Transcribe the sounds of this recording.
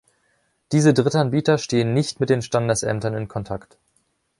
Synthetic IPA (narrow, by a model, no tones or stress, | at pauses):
d̥iːzədʁɪtʔanbiːtɐʃteːənːɪçtmɪt̚d̥eːnʃtandəsʔɛ̰mtɐnɪnkʰɔntʰakt